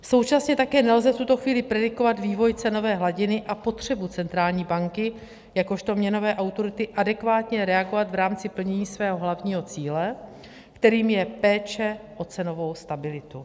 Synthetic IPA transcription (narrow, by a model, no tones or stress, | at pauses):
so̞wt͡ʃasɲɛt̪akɛːnɛlzɛft̪ut̪o̞xviːlɪpɾɛdɪko̞vat̪viːvo̞jt͡sɛno̞vɛːɦlaɟɪnɪʔapo̞t̪r̝̥ɛbut͡sɛnt̪ɾaːlɲiːbaŋkɪ | jako̞ʃt̪o̞mɲɛno̞vɛːʔawt̪o̞ɾɪt̪ɪʔadɛkvaːt̪ɲɛɾɛaɡo̞vat̪vɾaːmt͡sɪpl̩ɲɛɲiːsvɛːɦo̞ɦlavɲiːɦo̞t͡siːlɛ | kt̪ɛɾiːmjɛpɛːt͡ʃɛʔo̞t͡sɛno̞vo̞wst̪abɪlɪt̪u